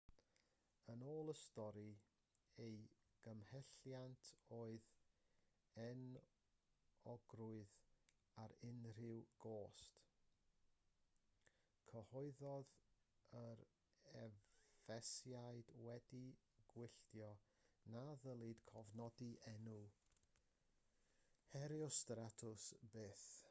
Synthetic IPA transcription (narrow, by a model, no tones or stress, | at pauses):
ənoːlˠəstɔɾi | ej | ɡ̥əmhɛɬjantʰoːɨð | ɛn | ɔɡ̥rʊɨð | aɾɪnr̥ɪwɡ̥oːst | kʰəhɔɨðɔð | əɾ | ɛvvɛsjaɨdwɛdi | ɡ̥wɪɬtjɔ | naðəlˠɪd̥kʰɔvnɔdiʔɛnu | hɛɾjɔstratʰʊsbeːθ